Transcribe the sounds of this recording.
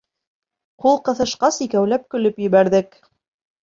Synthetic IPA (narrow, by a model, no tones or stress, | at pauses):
qulˠqɤ̆θɤ̆ʃqɑsikæwlæp̚kɵ̆lɵpjɘ̆βæɾðɘk